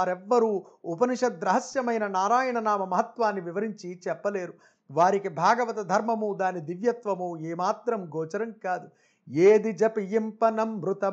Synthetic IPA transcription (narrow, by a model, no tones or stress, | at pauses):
aːɾɛʋːɐɾuː | upɐniʂɐd̪ɾɐɦɐsjɐmɐjnɐnaːɾaːjɐɳɐnaːmɐmɐɦɐt̪ʋaːnːiʋiʋɐɾiɲt͡ʃit͡ʃɛpːɐleːɾu | ʋaːɾikibʱaːɡɐʋɐt̪ɐd̪ʱɐɾmɐmud̪aːnid̪iʋjɐt̪ʋɐmueːmaːt̪ɾɐmɡɔːt͡ʃɐɾɐmkaːd̪u | eːd̪id͡ʒɐpijimpɐnɐmʋɾut̪ɐ